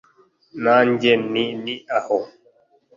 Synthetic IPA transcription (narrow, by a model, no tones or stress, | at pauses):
naɲd͡ʒɛniniahɔ